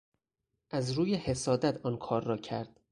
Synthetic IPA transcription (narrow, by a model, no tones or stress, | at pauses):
ʔæzɾuːjehe̞sɒːd̪æt̪ʰɒːnkʰɒːɾːɒːcʰæɾd̪̥̚